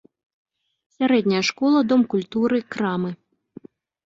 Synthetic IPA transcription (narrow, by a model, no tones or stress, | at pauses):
sʲaɾɛd̪ʲnʲɐjɐʂkɔlˠɐd̪ɔmkulʲt̪uɾɨkɾamɨ